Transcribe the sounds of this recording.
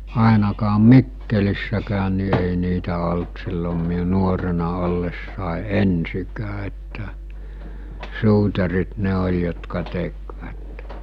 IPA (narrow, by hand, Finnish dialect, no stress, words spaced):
ɑˑenɑkɑːm̆ mikːelisːækæːn̆ ni ei niːtæ olt silːom miu nuorenɑ olːesːɑˑe ensikæː etːæ suːtɑrit ne olʲ jotkɑ tekʋæt